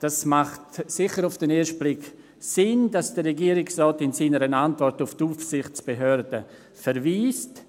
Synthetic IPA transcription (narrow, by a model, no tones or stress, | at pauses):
d̥asmaχtsɪχəɾʊfd̥ɛneːʃt̚b̥lɪk | sɪnd̥asd̥əreɡiːəɾɪksrɔːtɪnsiːnəɾənantvɔɾtʊftuːfsɪχt͡sb̥eɦøɾdə | fɛɾviːst